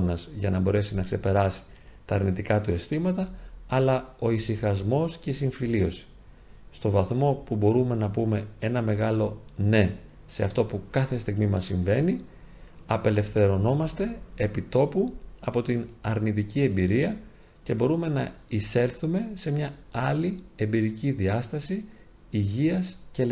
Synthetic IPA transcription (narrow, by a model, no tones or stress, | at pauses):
nɐzʝɐnɐbo̞ɾe̞sinɐkse̞pe̞ɾɐsi̥ | t̪ɐːɾnit̪ikɐt̪ue̞st̪imɐt̪ɐːlɐo̞isixɐzmo̞sce̞isiɱfilio̞si̥ | st̪o̞vɐθmo̞pubo̞ɾume̞nɐpume̞e̞nɐme̞ɣɐlo̞ne̞ | se̞ɐft̪o̞pukɐθe̞st̪iɣmimɐsiɱve̞ni | ɐpe̞le̞fθe̞ɾo̞no̞mɐst̪e̞epit̪o̞puɐpo̞t̪inɐɾnit̪icie̞mbiɾiɐ | ce̞bo̞ɾume̞nɐise̞lθume̞se̞mɲɐɐlie̞mbiɾiciðiɐst̪ɐsi | iʝiɐscel